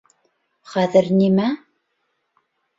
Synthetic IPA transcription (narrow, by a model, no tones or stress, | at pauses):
χæðɘ̆ɾnimæ